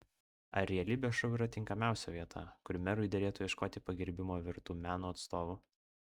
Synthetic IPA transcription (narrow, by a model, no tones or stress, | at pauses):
ɐɾʲɛɛlʲɪbʲɛʃɐʊiːɾɐt̪ʲɪŋkɐmʲæˑʊsʲɛʋʲiɛt̪ʰɐ̰kʊɾʲmʲɛɾʊɪd̪ʲɛɾʲeːt̪ʊːjɛʃkoːt̪ʲɪpɐɡʲɪɾʲbʲɪmoːʋʲɪɾt̪uːmʲæːnuːɐt̪st̪oːʋuː